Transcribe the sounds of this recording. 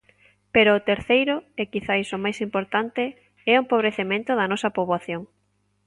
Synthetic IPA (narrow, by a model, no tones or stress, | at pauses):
peɾʊːt̪eɾθejɾʊekiθajsomajsimpoɾt̪ant̪e | ɛumpoβɾeθemẽnt̪ʊðɐnɔsɐpoβwaθjoŋ